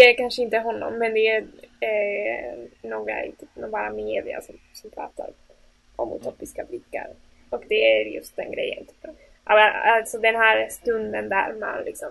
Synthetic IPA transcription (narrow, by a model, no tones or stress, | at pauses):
d̪ɛækanʂəɪnt̪əɦɔnːɔ̰mːɛnd̪ɛæɾɛ | noːɡɾa̰ɪ̰t̪ʰyːpːnbɑːɾameːd̪ɪa̰sɔmsɔmpʰɾɑ̰ːt̪a̰ɾ | ɔmʊ̰t̪ʰoːpɪskablɪkːa̰ɾ | ɔkd̪ɛæɾjɵ̰st̪̚d̪ɛnɡɾɛ̰jːə̰nt̪ʰi̥ːp | ʔavaalt̪sɔd̪ɛnɦæːɾst̪ɵnd̪ənd̪æɾma̰nlʔɪksɔm